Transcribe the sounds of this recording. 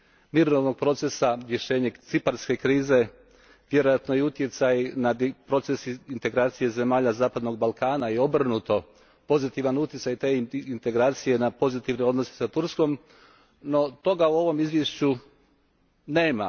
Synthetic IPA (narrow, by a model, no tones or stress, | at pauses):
miɾnoʋno̞ɡ̚pɾo̞t̪se̞saɾje̞ʃe̞ːɲet̪sipaɾske̞kɾiːze̞ | ʋje̞ɾo̞jat̪nojeut̪je̞t̪sajnad̪pɾo̞t̪se̞sint̪e̞ɡɾaːt̪sije̞ze̞maːʎazaːpad̪no̞ɡ̚balˠkaːnajeo̞br̩nut̪o̞ | po̞zit̪iʋanut̪ʲjetsajt̪e̞ːint̪e̞ɡɾaːt̪sije̞napo̞zit̪iʋnio̞d̪nose̥sat̪uɾsko̞m | no̞t̪o̞ɡauo̞ʋo̞mizʋjeʃt͡ɕu | ne̞ːma